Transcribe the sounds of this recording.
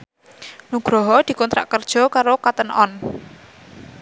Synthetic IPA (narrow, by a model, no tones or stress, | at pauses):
nuɡ̥ɾɔɦɔd̪̥i̤kɔnt̪ɾa̰ʔkərd̥ʒ̥ɔ̤kaɾokat̪ənʔɔ̰n